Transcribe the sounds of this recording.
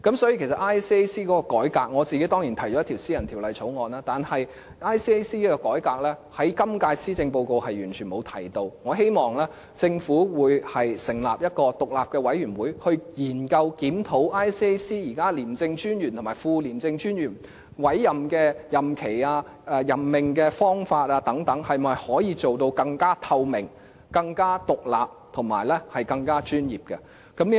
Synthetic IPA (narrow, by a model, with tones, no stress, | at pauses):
kɐ˨˥msɔ˨˥ji˨˧kʰe˨˩sɐ˨˩ʔaː˥jsiː˥e˥siː˥kɔː˨˥kɔː˧kɔː˨˥jkaː˧k̚ŋɔː˨˧t͡siː˨ke˨˥jt̪ɔː˥ŋjiː˨˩nt̪ʰɐ˨˩jt͡ʃɔː˨˦ɐ˥t̪ʰi˨˩wsi˥jɐ˨nt̪ʰi˨˩wlɐ˨˩jt͡sʰo˨˥wŋɔː˨˧naː˥t̪aː˨nhɐ˨j | aː˥jsiː˥e˥siː˥iː˥kɔ˧kɔː˨˥jkaː˧k̚lɛː˥hɐ˨˥jkɐ˥mkaː˧jsiː˥t͡sɪ˧ŋpo˧wko˧whɐ˨jɥyː˨˩nt͡ʃʰy˨˩nmo˨˧wt̪ʰɐ˨˩jt̪o˧wŋɔː˨˧ɦe˥jmɔː˨˩ŋlɛː˥ | t͡sɪ˧ŋfuː˨˥wuː˨˧jhɐ˨jsɪ˨˩ŋla̰ː˨p̚jɐ˥t̚kɔː˧t̪ʊ˨k̚laː˨p̚kɛː˧wɐ˨˥jɥyː˨˩nwuː˨˥jhɵ˧ɥjiː˨˩nkɐ˧wkiː˨˥mt̪ʰo˨˥wʔaː˥jsi˥siː˥jiː˨˩kaː˥liː˨˩mt͡sɪ˧ŋt͡ʃyː˥njyː˨˩nt̪ʰo˨˩maː˨˩fuː˧liː˨˩mt͡sɪ˧ŋt͡ʃyː˥njyː˨˩n | wɐ˨˥jːɐ˨mkɛː˧jɐ˨˩mkʰe˨˩jaː˧ | ɛː˧jɐ˨˩mːɪ˨˩ŋkɛː˧fɔː˥ŋfaː˧t̚aː˧t̪ɐ˨˥ŋt̪ɐ˨˥ŋhɐ˨jmɐ˨jhɔː˨˥jiː˨˧t͡so˨wt̪o˧wkɐ˧ŋkaː˥t̪ʰɐ˧wmɪ˨˩ŋ | kɐ˧ŋkaː˥t̪ʊ˨k̚la̰ː˨p̚t̪ʰʊ˨˩ŋma̰ː˨˩jlɛ˥hɐ˨jkɐ˧ŋkaː˥t͡ʃyː˥njiː˨p̚kɛ˧ | kɐ˨˥mli˥